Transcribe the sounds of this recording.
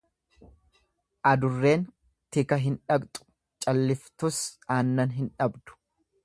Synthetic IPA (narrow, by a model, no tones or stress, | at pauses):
ʔɐd̪ʊrːe̞ːn | t̪ɪkɐɦɪnᶑɐbt̪ʼʊ̥ | t͡ʃʼɐlːɪft̪ʊsaːnːɐnɦɪnᶑɐbd̪ʊ̥